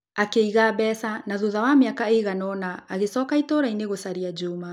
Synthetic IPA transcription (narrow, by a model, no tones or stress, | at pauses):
akeiɣabɛːsanaðuðawameakaeiɣanɔnaːɣesɔːkaitoːɾaineɣosaɾiad͡ʑuːma